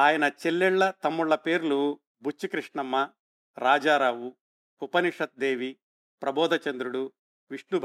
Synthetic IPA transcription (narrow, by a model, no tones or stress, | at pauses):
aːjɐnɐt͡ʃelːɛɭːɐt̪ɐmːuɭːɐpe̞ːɾulu | bʱut͡ʃːikɾiʂɳɐmːɐ | ɾaːd͡ʒaːɾaːʋu | upɐniʂɐt̪̚d̪eːʋi | pɾɐbɔːd̪ʱɐt͡ʃɐnd̪ɾuɽu | ʋiʂɳubʱ